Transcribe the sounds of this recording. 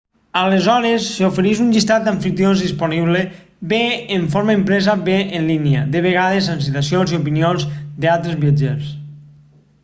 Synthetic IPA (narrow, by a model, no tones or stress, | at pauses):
əlezɔɾesːeufeɾiʃunʎist̪at̪̚d̪aɱfit̪jonzðispuniβle | beːɱfoɾmaempɾɛzabeenlinjəd̪əβ̞eɣaðezans̬it̪asionziupinionzd̪ealˠt̪ɾezβiad͡ʒes